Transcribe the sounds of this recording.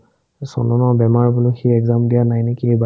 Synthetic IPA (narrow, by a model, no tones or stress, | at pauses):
sɔ̰nɔnɔbɛmaɹbʊlʊxiɛɡzamdijanajnekieba